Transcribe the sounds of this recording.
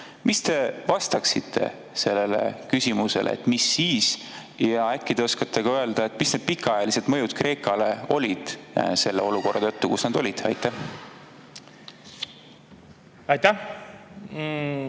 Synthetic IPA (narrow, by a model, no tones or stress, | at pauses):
mist̪e̞vɑst̪ɑksit̪ʰːe̞̰ | se̞lːe̞le̞̰kysʲimuse̞̰lʔḛḛt̪ːˑmisːiːs | jɑækːid̥̪eo̞skɑt̪ːe̞kɑøeld̪̥ɑe̞t̪ːˑmisned̪̚pikːˑɑɑjɑlise̞t̪mɤjud̪̥kre̞ːkːˑɑle̞o̞lʲid̪̥se̞lːeo̞luko̞rʔɑt̪ɤ̞t̪ːukusnɑd̪̥o̞lʲid̪̥ɑjt̪ːˑæh | ɑjt̪æ